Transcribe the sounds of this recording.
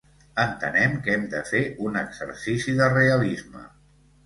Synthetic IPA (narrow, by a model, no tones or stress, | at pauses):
ənt̪ənɛmkɛmd̪əfeʔunəɡzə̰ɾsisiðəreəlizmə̰